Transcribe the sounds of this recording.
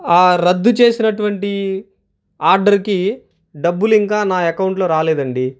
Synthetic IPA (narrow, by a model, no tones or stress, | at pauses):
aːɾɐd̪ːut͡ʃe̞ːsinɐʈuʋɐɳʈi | aːɾɖɐɾki | ɖɐbːuliŋkaːnaːɛkɐwuɳʈlo̞ːɾaːlɛːd̪ɐɳɖi